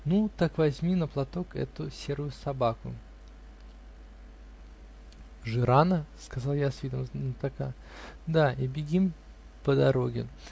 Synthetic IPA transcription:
nut̪akvɐzʲmʲinəplˠɐt̪o̞kɛ̰t̪ʊsʲe̞ɾʊjʊsɐbakʊ̰ | ʐɨɾanəskɐzalˠjasvʲid̪əmnt̪aka | d̪aibʲɪɡʲim | pəd̪ɐɾo̞ɡʲɪ̰

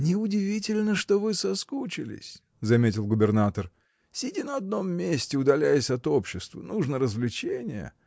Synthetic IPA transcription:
nʲɪʊdʲɪvʲitʲɪlʲnəʂt̪ovɨsɐskut͡ɕɪlʲɪ̰sʲ | zɐmʲetʲɪlˠɡʊbʲɪrnat̪ər | sʲɪdʲinəɐd̪̚no̞mːʲesʲtʲɪʊd̪ɐlʲæjəsʲɐt̪o̞pɕːɪst̪və̰nuʐnəɾəzvlʲɪt͡ɕenʲɪjə̰

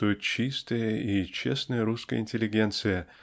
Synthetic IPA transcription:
ujɪt̪̚t͡ɕist̪əjəit͡ɕḛsnəjəɾuskə̰jə̰ɪnʲtʲɪlʲɪɡʲe̞nt̪sɨjə

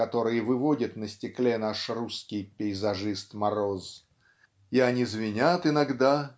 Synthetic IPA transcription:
ɐt̪o̞ɾɨjəvɨvodʲət̪nəsʲtʲɪklʲenaʂruskʲɪjpʲɪɪzɐʐɨst̪mɐɾo̞z | ɪɐnʲizvʲɪnʲat̪ɨɪnɐɡd̪a

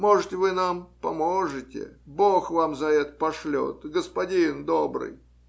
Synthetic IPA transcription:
moʐɨt̪ʲvɨnampɐmoʐɨtʲɪ̰boxvamzɐɛt̪pɐʂlʲo̰t̪ɡəspɐdʲind̪obɾɨ̰j

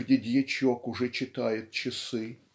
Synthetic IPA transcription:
dʲɪd̪ʲjɛt͡ɕokʊʐɛt͡ɕɪt̪ajɪt̪̚t͡ɕɪsɨ

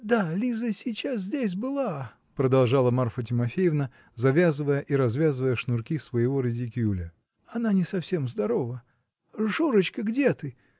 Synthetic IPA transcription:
d̪alʲizəsʲɪt͡ɕas̬zʲdʲesʲbɨlˠa | pɾəd̪ɐlˠʐɑlˠəmarfətʲɪmɐfʲejɪvnə | zɐvʲazɨvəjəʔiɾɐzvʲazɨvəjəʂnʊrkʲisvəjɪvo̞ɾʲɪdʲɪkʲulʲə | ɐnanʲɪsɐfsʲe̞mzd̪ɐɾo̞və | ʐuɾət͡ɕkəɡdʲe̞t̪ɨ

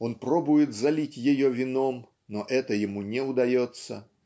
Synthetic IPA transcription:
ɔnpɾɔbʊjɪt̪zalʲitʲjɛjɔvʲɪnɔm | nɔʔɛt̪ɐjɪmunʲɛud̪ajɔt̪sːɐ̰

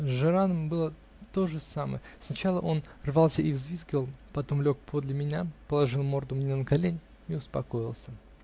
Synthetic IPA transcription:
ʐɨɾanəmbɨlˠə | t̪o̞ʐɨsamə̰jəsnɐt͡ɕalˠəʔo̞nrvalˠsʲəivzvʲizɡʲɪvəlˠpɐt̪o̞mlʲo̞k̚pʰo̞d̪lʲɪmʲɪnʲapəlˠɐʐɨlˠmo̞rd̪ʊmnʲenəkɐlʲenʲ | iʊspɐko̞ɪlˠsʲə

